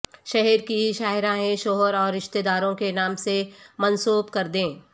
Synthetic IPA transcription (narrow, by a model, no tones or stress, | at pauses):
ʃɛɦɛɾkiʃaːɦɪɾãɦẽʃoːɦəɾɔːɾɪʃt̪eːd̪aːɾõkenaːmsemɐnsuːbkɐɾd̪ẽː